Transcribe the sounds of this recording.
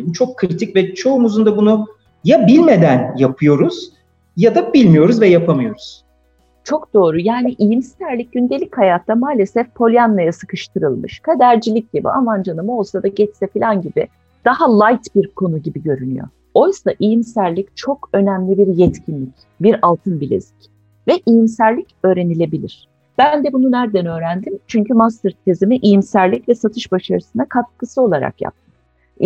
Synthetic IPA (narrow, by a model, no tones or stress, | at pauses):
it͡ʃʰo̞kʰːɾit̪ʰicvɛt͡ʃʰo̞umuzund̪abunu | jabilʲmed̪ænjapʰɯjo̞ɾuz̥ | jad̪abilʲmijo̞ɾuzvɛjapʰamɯjo̞ɾuz̥ | t͡ʃʰo̞kd̪̥o̞ːɾujaːniʔijimsæɾlʲic̚ɟynd̪elʲichajat̪ʰːamaːlʲe̞sɛfpʰo̞lʲijanːajasɯ̥kʰɯʃt̪ʰɯɾɯlˠmɯ̰ʃkʰad̪æɾd͡ʒilʲic̚ɟ̥ibḭa̰mand͡ʒanɯmɯo̞lˠsad̪aɟɛt͡ʃsɛfilʲanɟibɪ̰ | d̪̥ahalˠajt̪biɾkʰo̞nuɟibiɟø̞ɾyny̰jo̞̰ | o̞jsaʔijimsæɾlʲict͡ʃʰo̞kø̞næmlʲibiɾjɛt̪cʰinlʲic | biɾalˠt̪ʰɯnbilʲḛzi̥c | vɛʔijimsæɾlʲicø̞ːɾe̞nilʲe̞bilʲḭɾ̝̥ | b̥ænd̪ɛbununæɾd̪ænø̞ːɾænd̪imt͡ʃʰyɲcymast̪ɯɾt̪ʰezimiʔijimsæɾlʲicvɛsat̪ʰɯʃbaʃaɾɯsɯnakʰat̪̚kʰɯsɯo̞lˠaɾa̰kja̰p̚t̪ʰɯʃ